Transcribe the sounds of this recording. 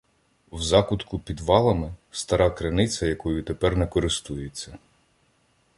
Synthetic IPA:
wzɑkʊt̪kʊpʲid̪ʋɑlˠɐmɪst̪ɐɾɑkɾɐnɪt͡sʲɐjɐkɔjʊt̪epɛrnɛkɔɾɪst̪ujet͡sʲːɐ

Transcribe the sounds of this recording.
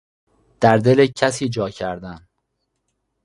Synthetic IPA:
d̪̥æɾd̪elecʰæsiːd͡ʒɒːcʰæɾd̪æn

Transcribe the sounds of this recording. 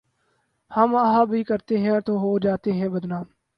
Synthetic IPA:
həməɦaːbʱiːkəɾt̪eːɦɛ̃ːt̪oːɦoːd͡ʒaːt̪eːɦɛ̃ːbəd̪naːm

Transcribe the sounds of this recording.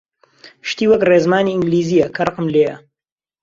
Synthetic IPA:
ʃt̪iːwɐkreːzmaːniːɨŋɡliːzijɐkʰɐrɨqəmleːjɐ̰

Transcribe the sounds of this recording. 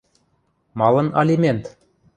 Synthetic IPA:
mɑlˠɤ̆nɑlʲimʲent̪

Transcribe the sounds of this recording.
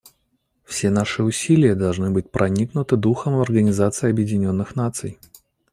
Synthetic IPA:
fsʲen̪aʂɨʊsʲilʲɪjəd̪ɐlˠʐnɨbɨt̚ʲpɾʔɐnʲiknʊt̪ɨd̪uxəmvɐrɡənʲɪzat̪sɨɪɐbjɪdʲɪnʲo̞nːɨxn̪at̪sɨj

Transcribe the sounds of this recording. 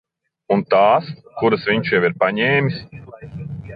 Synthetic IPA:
unt̪aːskuɾasviɲʃjɛwiɾpaɲɛːmʲis

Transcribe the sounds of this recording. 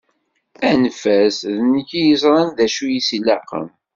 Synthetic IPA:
ænfæsðniçijəzɾˤɑnðæʃujisilːɑqə̰m

